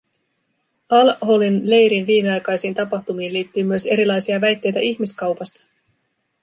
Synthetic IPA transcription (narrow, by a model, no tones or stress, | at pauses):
ɑlholinle̞jɾinʋiːmeɑjkɑjsiːnt̪ɑpɑxt̪umiːnliːt̪ːyːmyøse̞ɾilɑjsiɑʋæjt̪ːe̞jt̪æʔiçmiskɑwpɑst̪ɑ̥